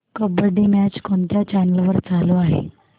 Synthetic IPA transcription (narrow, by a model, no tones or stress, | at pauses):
kəbəɾɖimæt͡ɕkoɳt̪jat͡ɕænəlʋəɾt͡saloaɦḛ